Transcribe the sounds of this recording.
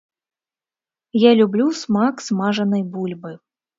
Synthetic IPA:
jalʲublʲusmaksmaʐɐnɐjbulʲbɨ

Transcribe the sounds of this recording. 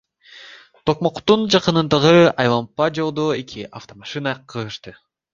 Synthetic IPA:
t̪ʰo̞q̚mo̞qt̪und͡ʒɑqɯnɯnd̪ɑʁɯɑjlˠampad͡ʒo̞lˠd̪oekʰiʔaft̪omaʃɨnɑqʰɯɯʃt̪ɯ

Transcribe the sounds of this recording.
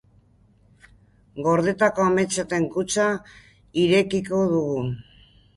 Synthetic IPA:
ɡo̞ɾðe̞t̪ako̞ame̞t͡ʃat̪e̞ŋkut͡sa | iɾe̞kiko̞ðuɣu

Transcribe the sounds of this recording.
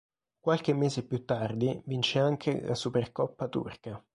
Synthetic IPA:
kwalk̟emːeːzepːjut̪ːard̪ivint͡ʃeaŋkʰelʔa̰superkɔpːat̪ṵrka

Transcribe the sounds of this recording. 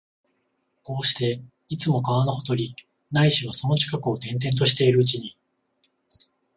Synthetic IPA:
ko̞ːɕi̥t̪e̞ | it͡sɨmo̞kaβanohot̪o̞ɾʲi | naiɕiβaso̞no̞t͡ɕi̥kakɯ̟o̞t̪ẽ̞nt̪̬ẽ̞nt̪̬o̞ɕi̥t̪e̞iɾɯ̟ːt͡ɕiɲ̟i

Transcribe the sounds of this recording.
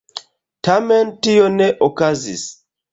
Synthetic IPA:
tamɛntijɔnɛʔɔkazḭs

